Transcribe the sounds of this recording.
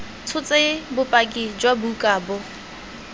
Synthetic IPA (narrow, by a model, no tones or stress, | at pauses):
t͡sʰʊt͡sʼebʊpʼakʼid͡ʒwabukʼaːbʊ